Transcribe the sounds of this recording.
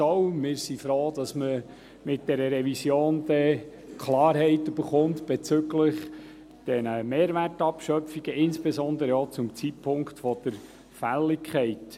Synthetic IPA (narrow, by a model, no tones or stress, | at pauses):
owmɪːɾsifɾoːd̥ɑsmə | mɪt̚d̥ɛɾəɾɛʋisjoːnd̪ɛ | kʰlɑːɾɦɛɪtːyb̥əɾχʊntb̥et͡sʏɡləχ | d̥ɛnəmeːɾʋærtɑpʃœfiɡ̥əɪnsb̥ezɔnd̪əɾəɔt͡sʊmt͡sitpʰʊŋktfɔd̪̥əɾ | fælːɪkʰχɛɪt